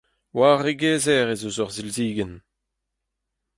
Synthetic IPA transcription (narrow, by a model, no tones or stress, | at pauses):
waːʁeɡeːzɛʁezozɔʁzilziːɡən